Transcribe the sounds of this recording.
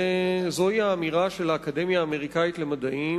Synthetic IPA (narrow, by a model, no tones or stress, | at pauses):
zo̞iaːmiʁaʃe̞laːkad̪e̞mjaːme̞ʁ̞ikait̪le̞mad̪aʔi